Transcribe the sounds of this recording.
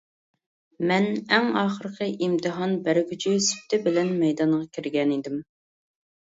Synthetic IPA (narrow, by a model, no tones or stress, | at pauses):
mɛnɛŋɑːχəɾqʰəʔimt̪ʰɨɦɑnbæɾɡʲyt͡ʃʰysy̥p̚t̪ʰɪbɪlɛnmɛjd̪ɑɴʁɑkʲʰiɾɡʲɛnid̪ɪm